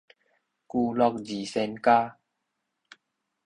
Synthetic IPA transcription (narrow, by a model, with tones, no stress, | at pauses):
ku˧lɔ˧k̚d͡ʑi˨˩sɛ˧nkaː˦